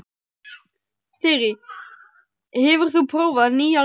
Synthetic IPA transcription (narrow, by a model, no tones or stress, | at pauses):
θɪɾɪ | hɛvʏɾ̥θupʰɾoːwvaðniːa